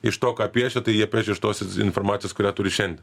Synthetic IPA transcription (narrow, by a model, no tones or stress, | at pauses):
ɪʃt̪oːkɑːpʲiɛt͡ʃʲɛt̪ɐɪjiɛpʲiɛt͡ʃʲɛɪʃt̪oːsʲɪ̰nformɑːt̪sʲɪjoːskʊɾʲæːt̪ʊɾʲɪʃʲɛnʲd̪ʲɛn